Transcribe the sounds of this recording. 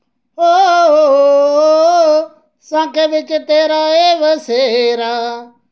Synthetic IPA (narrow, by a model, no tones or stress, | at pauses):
oːɦoːɦoːɦoː | sãːkʰeːʋɪt͡ʃt̪eːɾaːeːʋəseːɦːɾaː